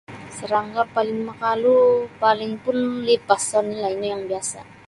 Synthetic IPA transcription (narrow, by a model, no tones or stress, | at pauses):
səɾaŋɡapalɪŋməkalupalɪŋpʊnlipasɔnilaiɲojaŋbiasa̰